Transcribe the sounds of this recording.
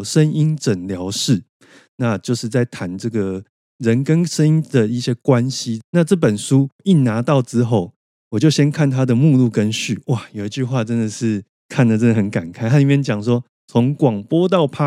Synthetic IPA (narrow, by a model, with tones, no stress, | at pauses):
ʂə˦˥ni˦nʈ͡ʂə˨˩nljɑ˧˦˥ʊʂɻ̩˥˩ | na˥˨t͡ɕjo˥˧ʊʂɻ̩˥˧t͡sa˥˩ɪt̪ʰa˧˦nʈ͡ʂɤ˥˩ɡə˩ | ɻə˨˦nkə˦nʂə˦ŋi˦˥ŋd̪ə˨i˥˩ɕjɛ˦kwa˦nɕi˦na˥˧ʈ͡ʂɤ˥˩p̬ə˨˩nʂu˦i˥˩na˧˥t̪ɑ˥˨ʊʈ͡ʂɻ̩˦xo˥˩ʊ | wɔ˨˩t͡ɕjo˥˩ʊɕjɛ˥nkʰa˥˨nt̪ʰa˦d̪ə˨mu˥˧lu˥˩kə˦nɕy˥˨˩wa˥˨jo˨˩ʊi˧˥t͡ɕy˥˧xwa˥˧ʈ͡ʂə˦nd̪ə˨ʂɻ̩˥˩ | kʰa˥˩nd̪ə˨˩ʈ͡ʂə˦˥nd̪ə˨hə˧˦nka˨˩nkʰa˥ɪt̪ʰa˥˨i˨˩mjɛ˥˨˩nt͡ɕjɑ˨˩ŋʂwɔ˦ | t͡sʰo˧˦ŋkwɑ˨˩ŋpwɔ˥t̪̬ɑ˥˨ʊpʰa˦